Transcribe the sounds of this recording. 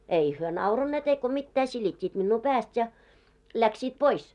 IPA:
ei hyø nɑurɑnːeːt eiko mitːæː silitʲːiːt minːuː pæːst jɑ læksiːt pois

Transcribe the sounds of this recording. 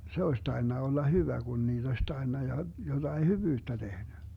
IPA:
se oes tɑi̯nːɑ olːɑ hyʋæ ɡ̊un niːd̥ osʲ tɑi̯nːɑ jɑ jod̥ɑi hyʋyːtːæ tehny

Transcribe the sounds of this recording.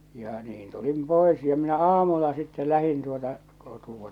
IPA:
jɑ niːn tulim poˑe̝s jɑ minæ ɑːmulːɑ sitːɛ læhin tuotɑ kotuwɑ

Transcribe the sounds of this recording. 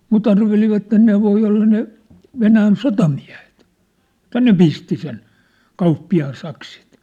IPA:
mut ɑrʋeliʋɑtːen ne ʋoi olːɑ ne ʋenæːn sotɑmiæ̝he̥t etːæ ne pisti sen kɑupːiɑːn sɑksit

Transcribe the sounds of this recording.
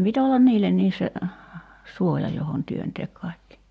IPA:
pit olːɑn niːlːenːiːs se suojɑ johon tyønteːk kɑˑi̞kːi

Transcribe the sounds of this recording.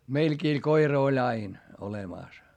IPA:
meilkiː koirɑ olʲ ɑin olemɑˑs

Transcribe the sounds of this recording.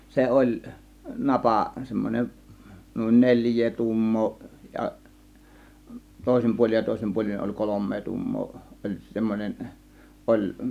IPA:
se ʔolʲ nɑpɑˑ semːonʲen nuˑin nelʲjˑeː tuːmːoː jɑ toˑe̝sim puolʲin jɑ toˑe̝sim puolʲin olʲ kolomːeː tuːmːoː olʲ semːonen ʔolʲ

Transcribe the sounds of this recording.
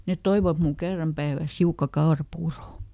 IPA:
net toiʋɑt mul kerːɑm pæiʋæˑs hiukːɑ kɑorɑpuːro

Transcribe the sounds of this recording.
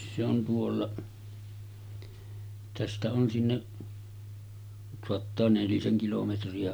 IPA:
se on tuolːɑ tæstæ on sinːeʔ soɑtːɑː neliseŋ kilometriɑ

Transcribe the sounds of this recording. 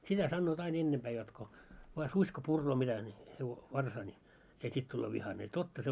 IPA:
sitæ sɑnːoːt ɑin enːempæː jot ko ʋɑː susʲ ko purːoː mitæ nʲi heʋo ʋɑrsɑː nʲi se sit tulːoː ʋihɑne jɑ totːɑ se

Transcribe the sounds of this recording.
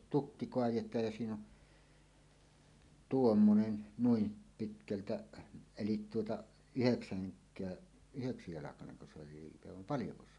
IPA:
tukːi koɑjetˑɑːj jɑ siːn on tuomːonen nuim pitkæltæ elit tuotɑ yheksæŋkˑæː yheksitoˑestɑjɑlɑkɑneŋko se oli liːpe ʋɑm pɑljoko se

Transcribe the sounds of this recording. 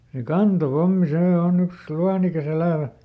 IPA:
se kɑntopomːi seː oˑn yks luɑnikɑs elæˑʋæ

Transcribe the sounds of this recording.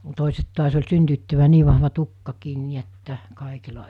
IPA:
toˑiset tuɑs olʲ syntyːtːyʋːæː niː ʋɑhʋɑ tukːɑkiːn ni etːæ kɑˑekilɑ

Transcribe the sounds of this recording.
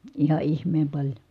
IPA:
ihɑ ihmeːm pɑlʲjo

